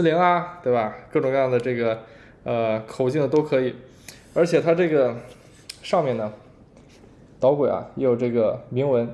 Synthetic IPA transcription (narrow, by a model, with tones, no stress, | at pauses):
li˧˥ŋa˧t̪we˥˩ɪba˩kɤ˥˩ʈ͡ʂʊ˨˩ŋkɑ˥˧jɑ˥˩d̪ə˩ʈ͡ʂɤ˥˩ɡə˩ | ə˧kʰo˨˩ʊt͡ɕi˥˩ŋd̪ə˩t̪o˥ʊkʰɤ˧˥i˨˩˦ | ə˞˧˥t͡ɕʰjɛ˨˩t̪ʰa˥ʈ͡ʂɤ˥˩ɡə˩ | ʂɑ˥˧ŋmjɛ˥˩nə˩ | t̪ɑ˧˥ʊkwe˨˩ɪɐ̰˧jɛ˧˥jo˨˩ʊʈ͡ʂɤ˥˩ɡə˩mi˧˥ŋwə˧˥n